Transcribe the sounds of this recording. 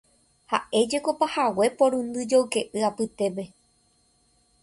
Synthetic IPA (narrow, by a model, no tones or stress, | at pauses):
ha̰ʔe̞d͡ʒe̞ko̞pahawe̞põ̞ɾ̃ɨ̃nd̪ɨd͡ʒowke̞ʔɨapɨt̪e̞pe̞